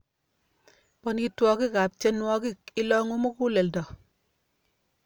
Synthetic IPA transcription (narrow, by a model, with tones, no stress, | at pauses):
pɔ˦nki˦twɔ˨ki˦ka˨p̚t͡ʃɛ˦nwɔ˦ki˦˨kɪ˦lɔ˦ŋo˦mo˦ku˦le˨ldɔ˨